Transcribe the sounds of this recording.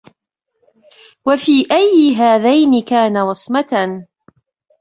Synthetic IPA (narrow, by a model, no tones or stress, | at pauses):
wafiːʔajːɪɦaːðajnɪkaːnawɑsˤmat̪a